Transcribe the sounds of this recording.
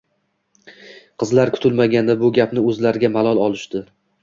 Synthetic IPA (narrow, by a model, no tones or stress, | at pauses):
qʰɨzlaɾkʰʊ̥t̪ʰɪlmaɡʲand̪abʊɡʲapnɪɵzlaɾɪɡʲamalˠɒlˠɒlˠɪʃt̪ɪ